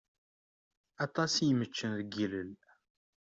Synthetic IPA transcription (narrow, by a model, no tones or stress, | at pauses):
ɑt̪ˤɑsjəmət͡ʃːənðəɡiləl